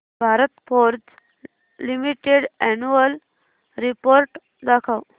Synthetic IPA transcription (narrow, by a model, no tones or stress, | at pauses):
bʱaɾət̪poɾd͡z | limiʈeɽɛnuəl | ɾipoɾʈ | d̪akʰaw